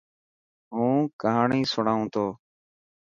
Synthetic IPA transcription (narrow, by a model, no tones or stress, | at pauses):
ɦũːkəɦaːɳĩːsʊɳaːɦũːt̪ʰoː